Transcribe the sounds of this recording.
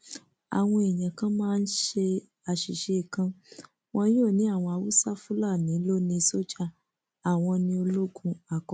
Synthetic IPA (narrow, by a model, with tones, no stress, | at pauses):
a̰˨w̃ɔ̃˧e˨j̃ã˨kã˦mãː˦˧n̩˦ʃe˧ | a˨ʃi˨ʃe˧i˨kã˧ | wɔ̃˧˦o˦˨nĩ˨˦a˦˨w̃ɔ̃˧a˧wu˦sa˦fũ˦la˦˨nĩ˨˦lo˦nĩ˧so˦d͡ʒa˦ | a˨w̃ɔ̃˧nĩ˧o˧lo˦ɡũ˧a˨kɔ˨˦